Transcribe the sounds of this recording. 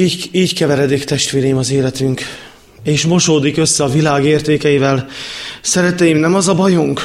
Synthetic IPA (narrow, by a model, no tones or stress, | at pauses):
iːɟiːɟkɛvɛɾɛd̪ikt̪ɛʃt̪ʋeːɾɛjimɒzeːlɛt̪yŋk | eːʃmo̞ʃoːd̪ikø̞sːɛɒvilaːɡeːrt̪eːkɛjivɛlsɛɾɛt̪ɛjimnɛmɒzɒbɒjuŋk